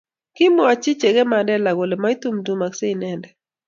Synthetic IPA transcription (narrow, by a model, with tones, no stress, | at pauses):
kɪ˦mɔ˦a˨t͡ʃɪ˦t͡ʃe˨ɡɛ˦ma˨dɛ˦la˨ɡo˨le˨ma˦i˦t̪u˦md̪u˦ma˨kse˦i˨nɛ˨ndɛ˨